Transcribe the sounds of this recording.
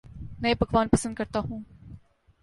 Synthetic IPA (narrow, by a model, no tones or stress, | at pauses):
mɛ̃ːbɐɡʋaːnpɐsə̃nd̪̚kɐɾt̪aːɦũː